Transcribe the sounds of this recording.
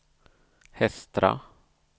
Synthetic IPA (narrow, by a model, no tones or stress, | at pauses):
hɛst̪ɾa̰